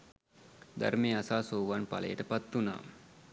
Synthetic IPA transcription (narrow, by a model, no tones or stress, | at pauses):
d̪a̰ɾmeːasaːsoːʋanpa̰lə̰jəʈəpat̪ːuna̰ː